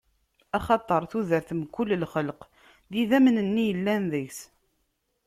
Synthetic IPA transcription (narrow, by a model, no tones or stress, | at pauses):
ɑχɑt̪ˤəɾˤθuðəɾθəmkːʊlːlχəlq | ðiðæmnənːijəlːænðəçs